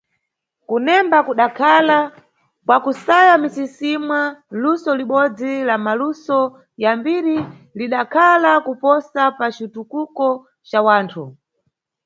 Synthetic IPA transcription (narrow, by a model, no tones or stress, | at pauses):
kunɛmbakuɗakʰala | kwakusajamisisimwalusɔliɓɔd͡zilamalusɔ | jambiɾi | liɗakʰalakupɔsapat͡ʃitukukɔ | t͡ʃawaːntʰu